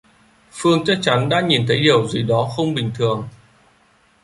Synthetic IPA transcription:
fɨ˧əŋt͡ɕa˦˥t̚t͡ɕa˨˦nɗa̰ː˧˥ɲi˨˩nt̪ʰə˨˦jɗi˨˩əwzi˨˩ɗɔ˨˦xə˧wŋ͡mɓï˨˩ŋ̟t̪ʰɨ˨˩əŋ

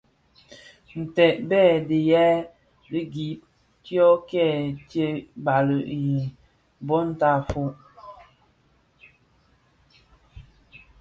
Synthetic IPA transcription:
n̩˨tɛ˨ʔbɛː˦˨di˨jɛ˦ | li˦ɡi˨˦p̚ | tjɔ˦kɛ˦˨tje˦ba˨lə˨ʔji˨ | bɔ˦n̩˦ta˦˨fu˦ʔ

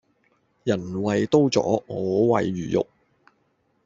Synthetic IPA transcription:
jɐ˨˩nwɐ˨jt̪o˥wt͡sɔ̰ː˨˥ɔː˨˧wɐ˨jɥyː˨jʊ̰˨k̚

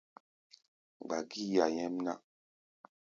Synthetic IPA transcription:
ɡ͡ba˨ɡi˦ja˨jɛ˦m˦na˦

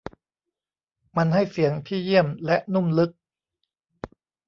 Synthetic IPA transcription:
ma˧nɦa˥˩jsi˨˩˦əŋt̪ʰiː˥˩ji˥˩əmlɛ˦˥ʔnu˥˩mlɯ˦˥k̚

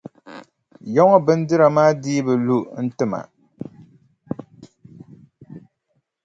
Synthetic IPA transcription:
jɔ˦ŋɔ˦bɨ˦n˦dɨ˦ɾa˨maː˦diː˦bɨ˨lu˦n̩˦tɨ˦ma̰˨

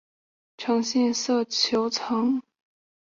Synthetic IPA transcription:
ʈ͡ʂʰɑ˧˥ŋɕjɛ˥˧nsɤ˥˩t͡ɕʰjo˧˥ʊt͡sʰɤ˧˥ŋ

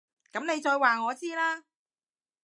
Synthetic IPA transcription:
kɐ˨˥mne˨˧jt͡ʃɔː˧jwaː˨ŋɔː˨˧t͡siː˥laː˥

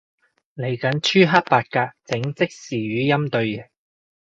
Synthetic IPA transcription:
le˨˩jkɐ˨˥nt͡ʃʰyː˥ɦɐ˥t̚paː˧t̚kaː˧t͡sɪ˨˥ŋt͡sɪ˥k̚siː˨ɥyː˨˥jɐ˥mt̪ɵ˧ɥɛ˨˩

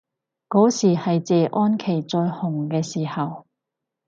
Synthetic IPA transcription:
kɔː˨˥siː˨˩hɐ˨jt͡sɛː˨˧ʔɔː˥nkʰe˨˩jt͡sɔː˧jhʊ˨˩ŋkɛː˧siː˨˩hɐ˨w

